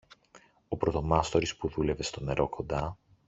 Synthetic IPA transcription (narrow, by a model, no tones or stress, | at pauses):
o̞pɾo̞t̪o̞mɐst̪o̞ɾispuðule̞ve̞st̪o̞ne̞ɾo̞kʰo̞nd̪ɐ